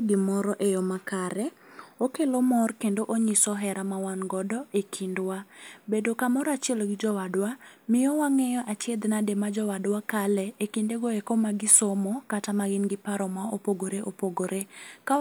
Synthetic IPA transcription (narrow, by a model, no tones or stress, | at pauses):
ɡɪmɔɾɔʔejɔmakaɾɛ | okelomɔrkendoʔoɲisɔɦɛɾamawanɡɔdɔʔekʰindwabedokamɔɾɔat͡ʃɪeloɡɪd͡ʒɔwadwamɪjɔwaŋɛjɔʔat͡ʃed̪nademad͡ʒɔwadwakalɛekindeɡoekɔmaɡɪsomɔkatamaɡɪnɡɪpaɾɔmaopoɡoɾeʔopoɡoɾeka